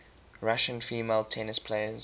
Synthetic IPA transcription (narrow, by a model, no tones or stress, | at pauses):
ɹaʃə̃nfiːmeɪlˠtʰɛnɪspʰleɪəz